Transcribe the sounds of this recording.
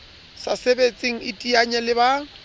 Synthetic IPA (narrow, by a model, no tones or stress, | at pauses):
sasebet͡sʼiŋ̩ɪtʼiaɲɛlɪba